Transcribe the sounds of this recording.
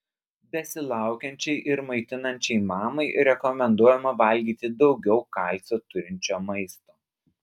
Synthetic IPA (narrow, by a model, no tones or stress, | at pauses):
bʲɛsʲɪlˠɑˑʊkʲɛnʲt͡ʃʲɛɪʔɪɾmɐɪt̪ʲɪnɐnʲt͡ʃʲɛɪmɑːmɐɪɾʲɛkɔmʲɛnd̪uɔjɛmɐʋɐlʲɡʲiːt̪ʲɪd̪ɒʊɡʲɛʊkɑˑlʲˑsʲoːt̪ʊɾʲɪnʲt͡ʃʲoːmɐɪst̪oː